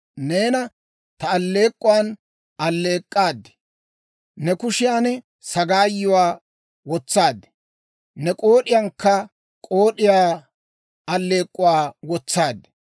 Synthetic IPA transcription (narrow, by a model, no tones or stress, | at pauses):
ne̞ːnɐ | t̪ɐːlːe̞ːkʼːʊwaːn | ɐlːe̞ːkʼːaːd̪ːɪ̥ | nɛkʊʃɪjaːnɛ | sɐɡaːjːʊwaː | wɔt͡sːaːd̪ɛ̥ | nɛkʼoːɗɪjaŋkːɐ | kʼo̞ːɗɪjaː | ɐlːe̞ːkʼːʊwaːwɔt͡sːaːd̪ɪ̥